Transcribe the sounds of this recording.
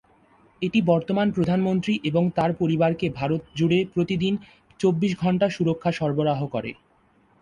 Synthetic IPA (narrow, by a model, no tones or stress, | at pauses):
eʈibɔɾt̪omanpɾod̪ʱanmont̪ɾiʔeboŋt̪aɾpoɾibaɾkebʱaɾot̪̚d͡ʑuɽepɾot̪id̪in | t͡ɕobːiʃɡʱɔɳʈaʃuɾokʰːaʃɔɾboɾaɦokɔɾḛ